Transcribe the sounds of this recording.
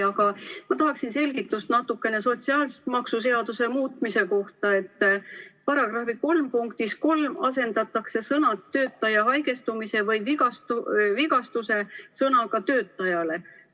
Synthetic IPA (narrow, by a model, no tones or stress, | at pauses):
ɑɡ̥ɑmɑt̪ɑɦɑksinse̞lɡ̥it̪ːˑust̪nɑt̪ːˑukːˑe̞ne̞so̞t̪siɑːlst̪mɑksuse̞ɑd̪̥use̞muːt̪ˑmise̞ko̞ht̪ɑe̞t̪ːpɑɾɑɡ̥rɑhviko̞lmpuŋkt̪isko̞lmɑ̰se̞nd̪ɑt̪ːˑɑkse̞sɤnɑt̪ːø̞ːt̪ːˑɑjɑɦɑjɡe̞st̪umise̞vɤjviɡɑst̪uviɡɑst̪use̞sɤnɑkɑt̪ø̞ːt̪ːˑɑjɑle̞